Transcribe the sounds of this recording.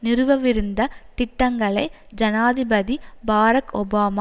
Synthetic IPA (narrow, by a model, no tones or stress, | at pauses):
nɪɾɯʋɐʋɪɾɯnd̪ɐt̪ɪʈːɐŋɡɐɭɐɪ | d͡ʒɐnaːðɪbɐðibaːɾɐkɔbaːma